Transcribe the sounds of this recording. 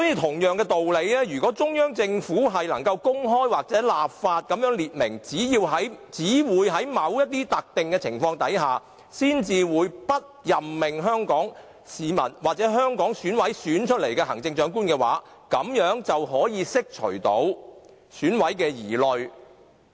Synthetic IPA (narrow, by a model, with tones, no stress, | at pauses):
sɔː˨˥jiː˧wt̪ʰʊ˨˩ŋjœː˨ŋkɛː˧t̪o˨wle˨˧jlɛː˥ɥyː˨˩kɔː˨˥t͡sʊ˥ŋjœː˥ŋt͡sɪ˧ŋfuː˨˥ɦɐ˨jlɐ˨˩ŋkɐ˧wkʊ˥ŋɦɔː˥jwaː˨k̚t͡sɛː˨˥laː˨p̚faː˧t̚kɐ˨˥mjœː˨˥ŋliː˨t̚mɪ˨˩ŋt͡siː˨˥jiː˧wɦɐ˨˥jt͡siː˨˥wuː˨˧jɦɐ˨˥jmɐ˨˥wjɐ˥t̚t̪iː˥t̪ɐ˨k̚t̪ɪ˨ŋkɛː˧t͡sʰɪ˨˩ŋfɔː˧ŋt̪ɐ˨˥jɦaː˨ | siː˥nt͡siː˨wuː˨˧jpɐ˥t̚jɐ˨mːɪ˨ŋɦœː˥ŋkɔː˨˥ŋ | siː˨˧mɐ̰˨˩nwaː˨k̚t͡sɛː˨˥ɦœː˥ŋkɔː˨˥ŋsyː˨˥nwɐ˨˥jsyː˨˥nt͡ʃʰɵ˥t̚le˨˩jkɛː˧hɐ˨˩ŋt͡sɪ˧ŋt͡ʃœː˨˥ŋk̬uː˥nkɛː˧wa̰ː˨˥ | kɐ˨˧mjœː˨˥ŋt͡sɐ˨wɦɔː˨˥jiː˨˧sɪ˥k̚t͡ʃʰɵ̰˨˩ɥt̪o˨˥w | syː˨˥nwɐ˨˥jkɛː˧jiː˨˩lɵ˨ɥ